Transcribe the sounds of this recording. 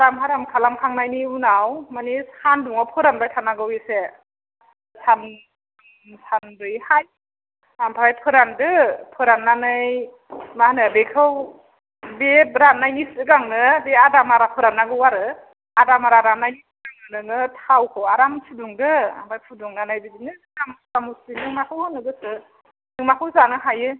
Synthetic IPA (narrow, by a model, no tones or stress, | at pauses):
aɾamɦaɾamkʰalamkʰaŋnajniunawmanisanduŋapʰɯɾanbajtʰanaɡɯwese | san | sandɯjhaj | ampʰaɾajpʰɯɾandɯpʰɯɾanːanɯj | mahnɯbekʰɯw | bebɾanːajnisɯɡaŋnɯdeadamaɾapʰɯɾanːaɡɯwaɾɯ | adamaɾaɾanːajisɯɡaŋɯnɯnɯtʰawkʰɯwaɾamsʰuduŋdɯa̰mbʰajpʰuduŋnanajbibinɯ | amskamusinɯŋmakʰɯwhɯnːɯɡɯsɯ | nɯŋmakʰɯwzanɯɦajɯ